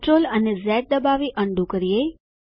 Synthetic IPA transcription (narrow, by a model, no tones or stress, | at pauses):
ʈɾolənezɛʈ̚d̪əbaʋiʔəɳɖʱũkəɾije